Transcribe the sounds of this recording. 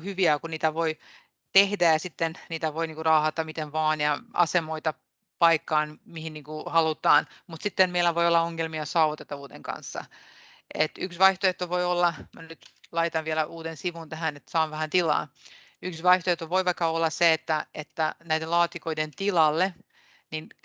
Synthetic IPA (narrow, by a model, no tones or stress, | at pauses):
hyʋiækuniːt̪æʋoi | t̪ehdæjɑsit̪ːenniːt̪æʋoiniːkurɑːhɑt̪ːɑmit̪enʋɑːnjɑɑ̰semoit̪ɑ | pɑikːɑːnmihinniːŋkuhɑlut̪ɑːnmut̪sit̪ːenmeilːæʋoijolːɑoŋːelmiɑsɑuʋut̪et̪ːɑʋuːt̪eŋkɑ̰nsːɑ̰ | et̪yksʋɑiht̪oeht̪ːoʋoiolːɑmænyt̪lɑit̪ɑnʋielæʔuːt̪ensiʋunt̪æɦænet̪ːsɑːnʋæhænt̪ilɑ̰ːn | yksʋɑiht̪oeht̪ːoʋoiʋɑikːɑolːɑsseet̪ːæet̪ːænæid̪elɑːt̪ikoident̪ilɑlːe | nin